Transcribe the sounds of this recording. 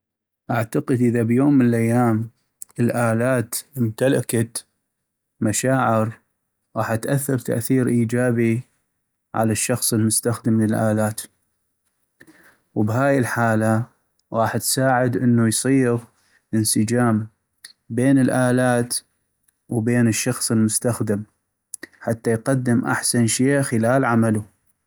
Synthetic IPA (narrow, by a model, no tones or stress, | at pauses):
ʔaʕt̪aqəd̪ʔəðabjoːmːənəlʔajːaːm | əlʔaːlaːt̪mɪmt̪alakat̪ | maʃaːʕɪɾ | ɣɑːħat̪ʔaθːɑɾˤt̪a̰ʔθiːɾʔiːd͡ʒaːbi | ʕa̰laʃːɑxsˤəlmʊst̪axd̪əmlɪlʔaːlaːt̪ | wbɦaːjɪlħaːla | ɣɑːħt̪saːʕɪd̪ʔənːujsˤiːɣ | ʔənsɪd͡ʒaːm | beːnəlʔaːlaːt̪ | wbeːnəʃːɑxsˤəlmʊst̪axd̪am | ħat̪ːajqɑd̪ːɪmʔa̰ħsanʃeːʔxəlaːlʕamalu